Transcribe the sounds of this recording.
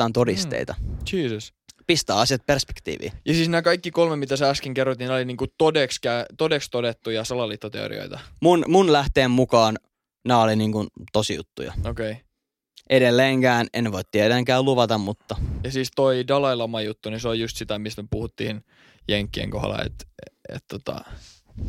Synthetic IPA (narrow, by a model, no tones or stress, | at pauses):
ɑːnt̪odist̪ḛit̪ɑt͡ʃiːsəs | pist̪æːɑsijɑt̪̚perspe̥kt̪ḭːʋḭːjɑsiːsnæːkɑikːikolmemit̪æsæɑskiŋkerːot̪inoliniːŋkut̪odekskæt̪odekst̪odet̪ːujɑsɑlɑlːit̪ːot̪ḛo̰rḭo̰it̪ɑmunmunlæht̪eːmmukɑːn | næːoliniːŋkunt̪osijṵt̪ːṵjɑ̰okei | ʔeɾelːeːŋkæːnenːʋoit̪t̪ːieɾæŋkæːluʋɑt̪ɑmmut̪ːɑjɑsiːst̪oidɑlɑilɑmɑjut̪ːuniseoljust̪sit̪æmist̪mepuhut̪ːiːn | jeŋkːiḛŋko̰hlɑ̰ḛt̪ḛt̪t̪ot̪ɑ̰